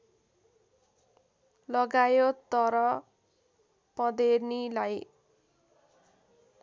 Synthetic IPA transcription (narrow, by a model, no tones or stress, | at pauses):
lʌɡajot̪ʌɾʌ | pʌd̪ernilaj